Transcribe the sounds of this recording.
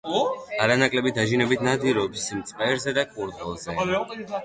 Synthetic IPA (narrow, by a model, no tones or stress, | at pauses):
aɾanakʼlɛbit̪̚d̪aʒinɛbit̪ʰnad̪iɾɔpsmt̪sʼqʼɛɾzɛd̪akʼuɾd̪ɛlˠzɛ